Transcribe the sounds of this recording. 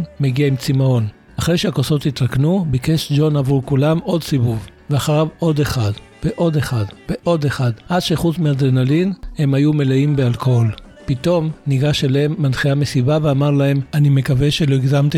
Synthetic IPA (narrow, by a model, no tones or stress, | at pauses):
meɡiaimt͡simao̞n | aχʁejʃeakoso̞t̪it̪ʁaknubike̞ʃd͡ʒo̞navʁukulamo̞d̪sivuvveaχaʁavʔo̞d̪eχad | veʔo̞deχadveʔo̞d̪eχad̪ʔadʃeχutmead̪enalinhe̞majume̞leimbealkool | pit̪o̞mniɡaʃelemːanχeamesibaveamaʁlahe̞manime̞kaveʃelo̞iɡzamt̪i